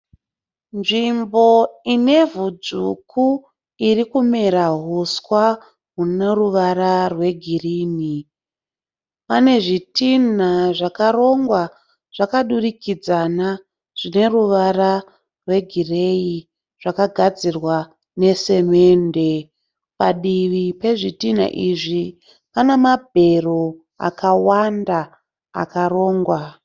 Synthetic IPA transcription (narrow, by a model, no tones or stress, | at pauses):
nʐimbo̞ine̞vud͡zukʰu | irikumeɾaɦuskwa | ɦune̞ruʋaɾarwe̞ɡʱiriːni | pane̞ʐitin̤aʐakaɾo̞ŋɡwa | ʐ̥akaɗurikid͡zana | ʐ̥ine̞ruʋara | rwe̞ɡʱire̞i | ʐ̥akaɡʱad͡zirwa | ne̞se̞me̞nde̞ | paɗiʋipe̞ʐitin̤a̰ʔiʐi | panemabʱe̞ro | a̰kawanda̰ː | kaɾo̞ːŋɡwa